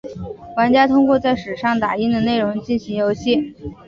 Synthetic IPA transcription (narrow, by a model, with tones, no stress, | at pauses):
wa˧˥nt͡ɕja˥t̪ʰʊ˥ŋkwɔ˥˧t͡sa˥˩ɪʂɻ̩˨˩ʂɑ˥˩ŋt̪a˨˩i˥nd̪ə˨ne˥˩ɪɻʊ˧˥ŋt͡ɕi˥˩nɕi˧˥ŋjo˧˥ʊɕjɛ˥˩